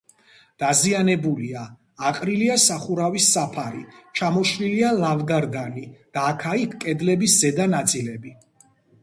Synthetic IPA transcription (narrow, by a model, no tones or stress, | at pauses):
d̪̥azianɛbuliaː | qʼɾiliasaχuɾavisːapʰaɾit͡ʃʰamɔʃlilialavɡaɾd̪anid̪̥aːkʰaikʰkʼɛd̪lɛbiszɛd̪anat̪sʼilɛbi